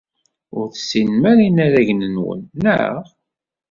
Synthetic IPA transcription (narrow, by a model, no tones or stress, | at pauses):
ʊɾθsinmæɾinæɾæʝnənwə̰nːə̰ʁ